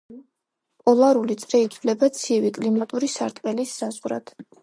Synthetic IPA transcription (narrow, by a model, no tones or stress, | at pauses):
pʼɔlˠaɾulit̪sʼɾɛit̪ʰvlɛbat̪sʰiɛvikʼlimat̪ʼuɾisa̰ɾt̪ʼqʼɛlisːazʁɾa̰d̪̥